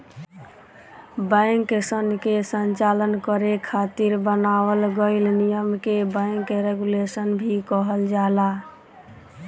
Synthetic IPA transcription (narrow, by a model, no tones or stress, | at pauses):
bãŋkesənkesənt͡ʃalənkəɾekʰat̪iɾbənabəlɡəɪlnijəmkebãɪŋkeɾeɡulesənbʱikɔɦəld͡ʒala